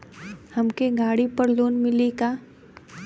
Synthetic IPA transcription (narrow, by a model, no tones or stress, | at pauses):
hɐmkeɡʱaːɽipɐɾloːnmɪlikaː